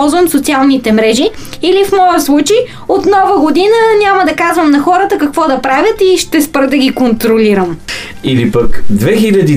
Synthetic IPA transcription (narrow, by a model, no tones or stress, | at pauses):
lˠzvɐmsot̪sialˠnit̪ɛmɾɛʒi | ilifmɔjət̪slˠut͡ʃej | ot̪nɔvəɡod̪inənʲaməd̪ɐkazvəmnɐxɔɾət̪əkɐkvɔd̪ɐpɾavʲjət̪iʃt̪ɛspɾd̪ɐɡʲikont̪ɾoliɾəm | ilipəkd̪vɛxilʲɐd̪i